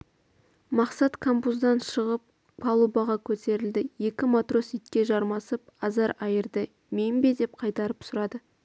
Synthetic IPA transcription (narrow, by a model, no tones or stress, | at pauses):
mɑqsɑt̪kʰambuzd̪ɑnʃəʁəp̚ | pʰɑlˠubɑʁɑkʲʰɵt̪ʰe̞ɾɪld̪ɪje̞kʲɪmot̪ro̞sit̪̚kʲe̞ʒɑɾmɑsəp̚ | ɑzɑɾɑjəɾd̪ə | membed̪e̞p̚qʰɑjt̪ɑɾəpsʊɾɑd̪ə